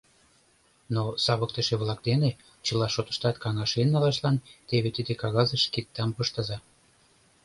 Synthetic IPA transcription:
nosɑβək̚t̪əʃeβlɑk̚d̪ene | t͡ɕəlɑʃot̪ə̥ʃt̪ɑt̪kɑŋɑʃenːɑlɑʃlɑnt̪eβet̪id̪ekɑɣɑzəʃkek̚t̪ɑmpəʃt̪əzɑ

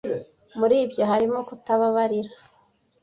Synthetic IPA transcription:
muɾiːbjo̞ɦaɾimo̞kutaβaβaɾiɾa

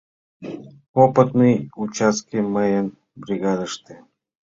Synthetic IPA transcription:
opɨt̪nɨjʊt͡ɕaskʲɪməjən | bɾʲɪɡad̪əʂt̪ɨ

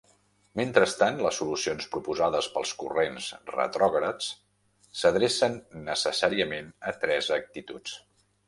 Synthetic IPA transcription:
ment̪ɾəst̪anləsːulusionspɾupuzaðəspəlˠskṵrensrə̰t̪ɾɔɣɾət͡s | səðɾesənːəsəsaɾiəmenət̪ɾɛzək̚t̪it̪ut͡s

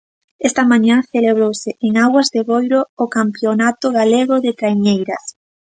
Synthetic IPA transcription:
ɛst̪ɐmaɲãθeleβ̞ɾowsɪʔeŋaɣwazðeβojɾoːkampjonat̪ʊɣaleɣʊðɪt̪ɾajɲejɾɐs

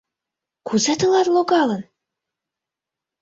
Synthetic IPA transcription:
kʰuzæt̪ɤ̆lˠɑrlˠokɑlˠɤ̆n

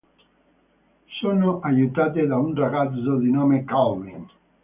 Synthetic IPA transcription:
soːnoʔajut̪aːt̪̬ɪd̪aunraɡad̪zod̪inɔːmekawmin

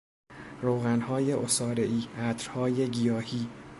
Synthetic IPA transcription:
ɾoːɣænhɒːje̞ʔosɒːɾe̞ʔiːʔæːt̪ʰɾhɒːje̞ɡijɒːhiː

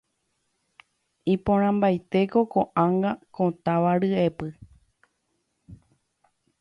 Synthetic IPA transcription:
ĩpõɾ̃ãmbajt̪e̞ko̞koʔãŋɡakõt̪aʋaɾɨe̞pɨ

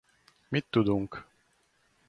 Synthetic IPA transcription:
mit̪ːud̪ũŋk

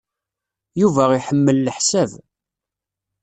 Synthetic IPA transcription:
juvæiħəmːəlːəħsæv

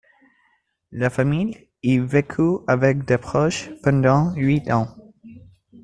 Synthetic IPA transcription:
lafamij | ivekʰyavɛk̚d̪epχɔʃpɑ̃d̪ɑ̃ɥit̪ɑ̃

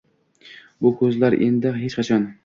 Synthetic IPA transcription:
bʊkʰɵzlaɾʔḛnd̪ɪɦet͡ʃqʰɑt͡ʃʰɒn

